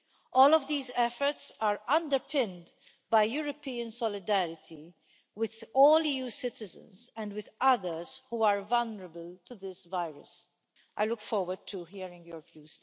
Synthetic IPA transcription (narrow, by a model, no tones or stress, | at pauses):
ʔɔːlɔvd̪iːzɛfə˞tsaɹʌ̃ndəɹpʰɪ̃nd | bajjuːɹɔpiːə̃nsɔlɪd̪æɹɪt̪ʰi | wɪðɔːliːjuːsɪtɪzə̰̃nzɛ̃ndwɪðʌðəɹz̥huːaɹvʌlnəɹəbəlt̪uðɪsvaɪɹə̰s | ʔa̰ɪlʊkfɔːɹwəd̚tʰuɦiɹɪ̃ŋjɔɹvjuːs